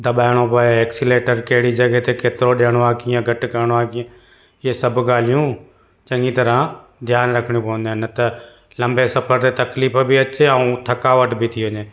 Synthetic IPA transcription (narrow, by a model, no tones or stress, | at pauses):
d̪ɐɓaːɪɽ̃opɐeeːksileːʈəɾkɐɦɪɽid͡ʒɐɡɛɦt̪ekeːt̪ɪɾoɗeːɽ̃oaːkiːə̃ɡʱɐʈkɐɾɽ̃oaːkĩ | ɪɦesɐbʱɡaːl̤ijũ | t͡ʃɐ̃ŋɡit̪ɐɾãd̪ʱjaːnɾɐkʰɽ̃jũpɐʋə̃nd̪ãnɐt̪ɐ | lɐ̃mbesɐfəɾt̪et̪ɐkliːfbiɐt͡ʃeɐũt̪ʰɐkaːʋəʈbʱit̪ʰiʋəɲẽː